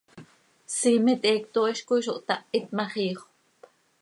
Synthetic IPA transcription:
siːmɛt̪ɛːk̚t̪oːʔiʃkojʃoʔt̪ɑʔit̪̚mɑχiːχ | p

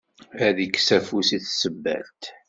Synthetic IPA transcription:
æðəkːsæfusiθsəbːæ̰lt̪

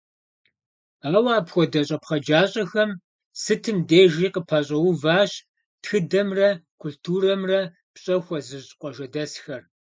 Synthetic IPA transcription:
aːwaːpxʷɔdɐɕʼɐpχɐd͡ʒaːɕʼɐxɐm | sɨtʰɨmdeːʒiːqəpʰaːɕʼɐwʊvaːɕ | txɨdɐmrɐkʰʷultʰuːrɐmrɐ | pɕʼɐxʷɔzɨɕqʷʼɔʒɐdɐsxɐr

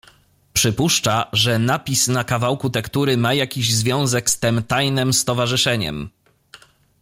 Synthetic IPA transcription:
pʂɘpuʂt͡ʂaʐɛnapʲisnakavawkut̪ɛkt̪uɾɘmajakʲiʑzvʲjɔ̃w̃zɛkst̪ɛmt̪ajnɘmst̪ɔvaʐɘʂɛɲɛ̰m

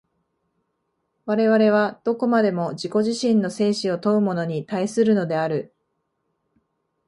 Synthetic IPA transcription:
βaɾe̞βaɾe̞β̞ad̪̥o̞ko̞mad̪e̞mo̞ʑiko̞ʑiɕĩnːo̞se̞ːɕio̞t̪o̞ɯ̟mo̞no̞ɲ̟it̪aisɨɾɯ̟no̞d̪e̞aɾɯ̟

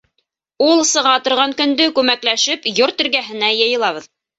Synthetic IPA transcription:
ulˠsɤ̆ʁɑt̪ŏɾʁɑŋkɵ̆nd̪ɵkʉmæklæʃɘpjoɾt̪ɵ̆ɾɡæɦɘ̆næjɤ̆jɤ̆lˠɑβɤ̆ð

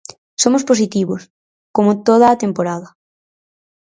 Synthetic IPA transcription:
somosposit̪iβos | komot̪oð̞aːt̪empoɾaðɐ

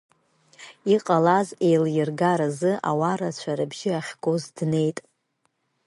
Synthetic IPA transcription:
iqʼalaze̞jljɪrɡaɾazɨʔa̰waɾat͡ɕʷʰaɾɨbʒɪaχʲɡo̞zdne̞jtʼ

